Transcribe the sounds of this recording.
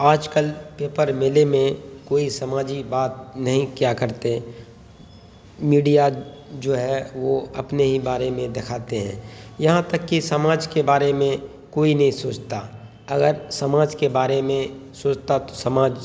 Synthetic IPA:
aːd͡ʒkəlpeːpəɾmɪlemẽkoːisɐmaːd͡ʒibaːt̪̚nɐɦĩkjakəɾt̪e | miːɖijad͡ʒoːɦɛʋoɐpneɦibaːɾemẽd̪ɪkʰaːt̪eɦɛ̰̃ːjɐɦãt̪əkːisɐmaːd͡ʒkebaːɾemẽ | koːinɐɦĩsoːt͡ʃt̪a | ɐɡəɾsɐmaːd͡ʒkebaːɾemẽsoːt͡ʃt̪at̪o̥səmaːd͡ʒ

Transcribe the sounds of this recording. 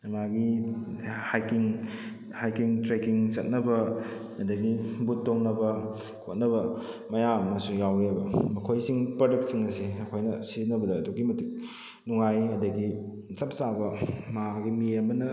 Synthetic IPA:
maɡi | hajkiŋ | hajkiŋtɾekiŋt͡ʃɐt̚nɐbɐ | ɐdɐɡibutːoŋnɐbɐ | kʰot̚nɐbɐ | mɐjamɐsujawɾebɐmɐkʰojsiŋpɾodɐk̚t̚siŋnɐsiɐkʰojnɐsinɐbɐdɐːduɡimɐtik̚ | nuŋajɐdɐɡi | t͡ʃɐp̚sabɐmaɡimiɐmɐnɐ

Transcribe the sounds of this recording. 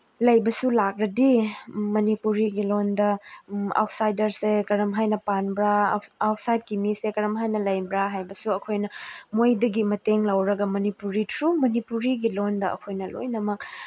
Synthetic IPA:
lɐjbɐsulak̚ɾɐdimɐnipuɾiɡilondɐa̰wt̚sajdɐɾsekɐɾɐmɦajnɐpanbɾaːwt̚sajd̚kimisekɐɾɐmɦajnɐlɐjbɾaɦajbɐsuɐkʰojnɐmojdɐɡimɐteŋlɐwɾɐɡɐmɐnipuɾitʰɾumɐnipuɾiɡilondɐɐ̰kʰojnɐlo̰jnɐmɐk̚

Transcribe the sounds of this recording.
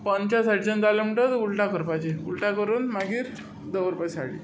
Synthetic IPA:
pənt͡ɕasaʈit͡ɕand͡zaljam̤əɳʈət̪ulʈakəɾpat͡ɕeulʈakəɾuːnmaɡiːɾ | d̪əʋəɾpasa̰ɽḭ

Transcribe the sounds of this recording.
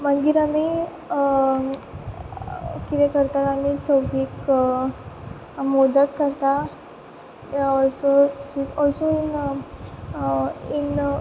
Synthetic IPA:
mə̃ŋɡiɾami | kit̪ɛkəɾt̪aɾamit͡səwd̪ʱiːk | mɔd̪ət̪̚kəɾt̪a | ɔlsosisɔlsoin | in

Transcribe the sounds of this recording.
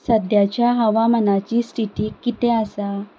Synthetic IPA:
səd̪ʱjat͡ɕjaɦəʋamənat͡ɕiːsʈiʈiːkit̪ẽəsa

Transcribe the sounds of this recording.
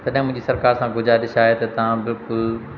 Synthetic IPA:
t̪ɐɗɦɪ̃mʊ̃ɦɪ̃ɲd͡ʑisɐɾkaːɾsãɡʱʊd͡ʑʱaɗɪʃaːet̪ɐt̪ɐʋ̤ãbɪlkʊl

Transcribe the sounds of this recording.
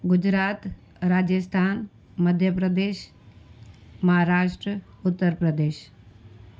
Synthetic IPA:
ɡʊd͡ʒɾaːt̪ | ɾaːd͡ʒəst̪ʰaːn | məd̪ʱjəpɾəd̪eːʃ | mɐɦaɾaːʂʈɾə | ʊt̪ːəɾpɾəd̪eːʃ

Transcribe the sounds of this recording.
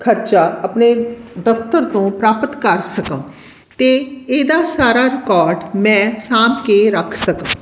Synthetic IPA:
kʰəɾt͡ʃaːəpneːd̪əft̪əɾt̪õːpɾaːpət̪kəɾsəkə̃ː | t̪eːeːd̪aːsaːɾaːɾɪkɔːɾɖmɛ̃ːsaːmkeːɾəkʰsəkə̃m

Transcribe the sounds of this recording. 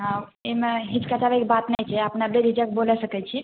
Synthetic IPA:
ɦãemeɦid͡ʒkat͡ʃabɛkebat̪najt͡ʃʰɛəpnabɾeɾid͡ʒək̚bolɛsəkɛt͡ʃʰi

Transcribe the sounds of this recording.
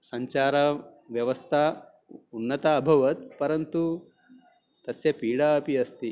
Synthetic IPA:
sɐɲt͡ʃaːɾɐʋjɐʋɐst̪ʰa | unːɐt̪aːbʱɐʋɐt̪̚pɐɾɐnt̪u | t̪ɐsjɐpiːɽaɐpiɐst̪i

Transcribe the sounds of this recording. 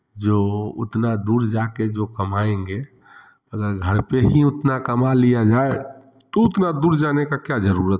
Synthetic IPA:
d͡ʒoːʊ̰t̪nad̪uːɾd͡ʒaked͡ʒokəmaẽŋɡe | əɡəɾɡʱəɾpeɦiʊt̪nakəmalijad͡ʒae | t̪oʊt̪nad̪uːɾd͡ʒanekakjad͡ʒəɾuːɾət̪̚

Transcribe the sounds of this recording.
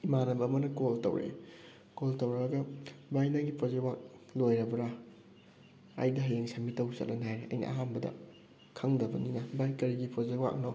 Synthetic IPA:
imanɐbɐːmɐnɐkoltɐ̰wɾḛ | koltɐwɾɐbɐɡɐbajnaɡipʰozewak̚lojɾɐbɐɾa | a̰jdɐɦɐleŋsɐmitɐwsɐ̰k̚lɐnajɾeʔɐ̰jnḭʔa̰ɦanbɐdɐ̰ | kʰɐŋdɐbɐninɐbajkɐɾiɡipʰozewa̰k̚no

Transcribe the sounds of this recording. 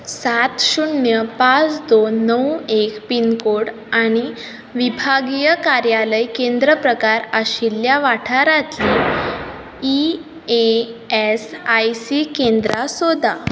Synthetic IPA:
sat̪ɕuɳjəpat͡sd̪onəwekpinkoɽ | aɽ̃i | ʋibʱaɡijəkaɾjaləjkẽnd̪ɾəpɾəkaɾəɕiljaʋaʈʰaɾat̪li | i | eesajsikend̪ɾasod̪a

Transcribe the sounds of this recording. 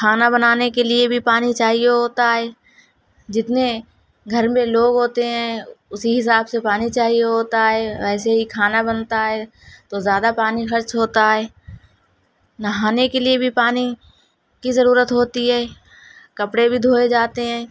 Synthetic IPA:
kʰaːnabɐnaːnekeliebʱipaːnit͡ʃaːɦijeɦoːt̪aɦɛː | d͡ʒɪt̪ne | ɡʱɐɾmẽloːɡɦoːt̪eɦɛ̃ːʊsiɦɪs̬aːbsepaːnit͡ʃaːɦijeɦoːt̪aɦɛːʋɛːseɦikʰaːnabɐnt̪aɦɛː | t̪ozjaːd̪apaːnixɐɾt͡ʃɦoːt̪aɦɛː | nɐɦaːnekeliebʱipaːni | kizɐɾuːɾət̪ɦoːt̪iɦɛː | kɐpɽebʱid̪ʱoːed͡ʒaːt̪eɦɛ̃ː

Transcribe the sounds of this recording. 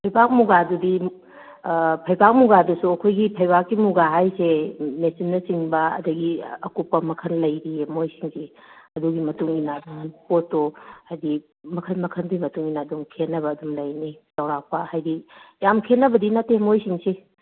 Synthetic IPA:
pʰɐjbʱak̚muɡadudi | pʰɐjbak̚muɡadusuɐkʰojɡipʰɐjbakːimuɡaɦajsemesinːɐsiŋbɐɐ̰dɐɡiɐ̰kupːɐmɐkʰɐnlɐjɾiemojsiŋsi | ɐduɡimɐtuŋinadaŋɐnpotːohajdi | mɐkʰɐnmɐkʰɐnɡimɐtuŋinadumkʰenːɐbɐːdumlɐjnisɐwɾak̚pɐhajdijamkʰenːɐbɐdinatemojsiŋse

